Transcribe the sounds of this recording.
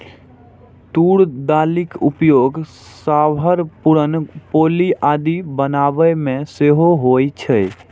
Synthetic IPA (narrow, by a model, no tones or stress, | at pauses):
t̪uɽd̪alikupjoɡ | sabʱəɾpuɾənpoliʔad̪ibənabəmẽseɦoɦojt͡ʃʰɛ